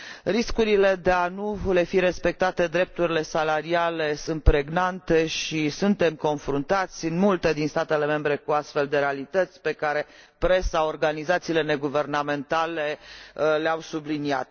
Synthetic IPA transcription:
ɾiskuɾile̞d̪eanule̞fiɾe̞spe̞k̚t̪at̪e̞d̪ɾe̞p̚t̪uɾile̞salaɾiale̞sunt̪̚pɾe̞ɡnant̪e̞ʃisunt̪e̞mko̞nfɾunt̪at̪sʲɨnmult̪e̞d̪inst̪at̪e̞le̞me̞mbɾe̞kuast̪fe̞ld̪e̞ɾe̞alit̪ət̪sʲpe̞kaɾe̞ | pɾe̞sao̞rɡanizat̪siːle̞ne̞ɡuve̞rname̞nt̪ale̞leawsublinia̰t̪̚

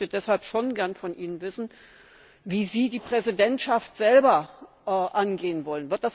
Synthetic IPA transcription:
tədɛshalpʃoːnɡɛɐnfɔnʔiːnənvɪsn̩ | viːziːdiːpʁ̥ɛzidɛntʃaftz̥ɛlbɐʔɛʔanɡeːənvɔlənvɪɐt̚d̥as

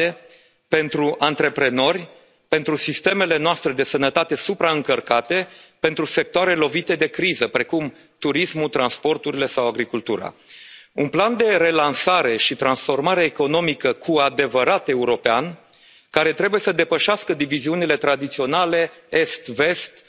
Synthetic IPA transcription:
e | pe̞nt̪ɾuʔant̪ɾe̞pɾe̞no̞rʲ | pe̞nt̪ɾusist̪e̞me̞le̞noast̪ɾe̞d̪e̞sənət̪at̪e̞supɾaɨŋkərkat̪e̞pe̞nt̪ɾuse̞k̚t̪oaɾe̞lo̞vit̪e̞d̪e̞kɾizəpɾe̞kum | t̪uɾismut̪ɾanspo̞rt̪uɾile̞sawaɡɾikult̪uɾa̰unpland̪e̞ɾe̞lansaɾe̞ʃit̪ɾansfo̞rmaɾeːko̞no̞mikəkʰuad̪e̞vəɾat̪e̞uɾo̞pean | kaɾe̞t̪ɾe̞buje̞səd̪e̞pəʃaskəd̪iviziunile̞t̪ɾad̪it̪sio̞nale̞e̞st̪ve̞st̪

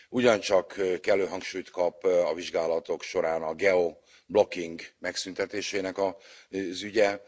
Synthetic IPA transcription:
uɟɒnt͡ʃɒkkɛlːøːɦɒŋkʃuːjt̪kɒpɒviʒɡaːlɒt̪o̞kʃo̞ɾaːnɒɡɛo | blo̞kːiŋɡmɛksynt̪ɛt̪eːʃeːnɛkɒzyɟɛ

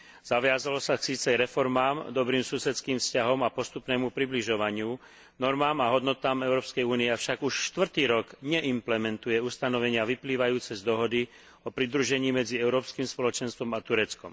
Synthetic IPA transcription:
z̥aʋɪazalɔsaksiːt͡sɛɾɛfɔɾmaːmd̪ɔbɾiːmsusɛt͡skiːmfscaɦɔmapɔst̪upnɛːmupɾibliʒɔʋaɲɪu | nɔɾmaːmaɦɔd̪nɔt̪aːmɛʊɾɔːpskɛjuːniɛafʃaɡuʃʃt̪ʋr̩t̪iːɾɔɡɲɛʔimplɛmɛnt̪ujɛust̪anɔʋɛɲɪaʋipliːʋajuːt͡sɛzd̪ɔɦɔd̪i | ɔpɾid̪ɾuʒɛɲiːmɛd͡ziɛʊɾɔːpskiːmspɔlɔt͡ʃɛnst̪ʋɔmat̪uɾɛt͡skɔm

